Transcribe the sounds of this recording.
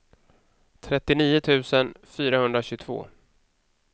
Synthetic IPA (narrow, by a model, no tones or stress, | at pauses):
t̪ʰɾɛt̪ːɪniːʊt̪ʰʉ̟ːsənfyːɾahɵnd̪ɾaɕɵt̪ʰv̥o̰ː